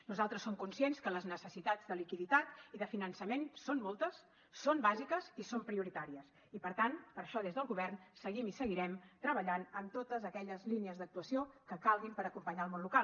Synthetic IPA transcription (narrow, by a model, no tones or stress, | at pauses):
nuzalˠt̪ɾəsːomkunsienskələznəsəsit̪ad͡zd̪əlikiðit̪at̪iðəfinənsəmensonmɔlˠt̪əsː | ombazikəzisompɾiuɾit̪aɾiəs | ipəɾt̪anpəɾʃɔðezðəlˠɣuβɛrnsəɣimisəɣiɾɛmt̪ɾəβəʎanəmt̪ot̪əzəkɛʎəzliniəzd̪ək̚t̪uəsiokəkalˠɣimpəɾəkumpəɲaəlˠmonlukal